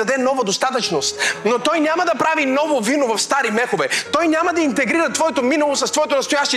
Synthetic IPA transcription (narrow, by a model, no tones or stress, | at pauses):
ɐd̪ɛnɔvɐd̪ost̪at̪ɐt͡ʃnost̪not̪ɔjnʲamɐd̪ɐpɾavinɔvovinovɐfst̪aɾimɛxovɛt̪ɔjnʲamɐd̪ɐint̪ɛɡɾiɾɐt̪vɔɛt̪ominɐlˠosɐst̪vɔɛt̪onɐst̪ojaʃt̪ɛ